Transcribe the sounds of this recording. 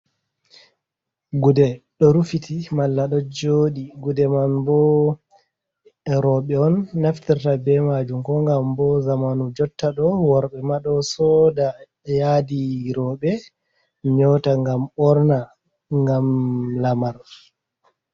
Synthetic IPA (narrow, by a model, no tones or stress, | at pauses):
ɡudɛɗɔɾufitʰimalːaɗɔd͡ʒoɗiɡudɛmanbɔ | ɾɔɓɛɔnːaftiɾtabɛmad͡ʒumkɔŋɡambɔzamanud͡ʒɔtːaɗɔwaɾɓɛmaɗɔsɔda | jadiɾɔɓɛ | ɲɔtaŋɡamɔɾna | ŋɡamlamaɾ